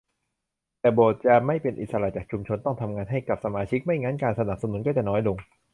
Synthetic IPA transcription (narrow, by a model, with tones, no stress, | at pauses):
t̪ɛː˨˩boː˨˩t̪̚t͡ɕa˨˧ma˥˩jpe˧nʔḭ˨˩sa˧la˧˩t͡ɕaː˨˩k̚t͡ɕʰu˧mt͡ɕʰo˧nt̪ɔ˥˩ŋt̪ʰa˧mŋaː˧nɦa˥˩jka˨˩p̚sa˧maː˧t͡ɕʰi˦˥k̚ma˥˩jŋaː˧˥nkaː˧nsa˧na˨˩p̚sa˧nu˩˦nkɔ˥˩t͡ɕ̪ɛ˨˩nɔː˦˥jlo˧ŋ